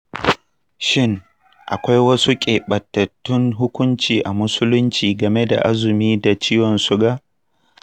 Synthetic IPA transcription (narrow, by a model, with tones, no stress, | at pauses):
ʃɪ˦˨ŋ | ʔa̰˨kʷa˦jwɐ˦su˦kʲʼeː˨ɓɐ˨tːɐ˨tːʊ˦ŋɦʊ˦kʷʊ˦nt͡ʃiː˨ʔa˨mʊ˦sʊ˦lʊ˦nt͡ʃiː˨ɡɐ˨me˦da̰˨ʔa˦zʊ˨miː˦da˨t͡ʃiː˦jɔ˨nsʊ˦ɡa˦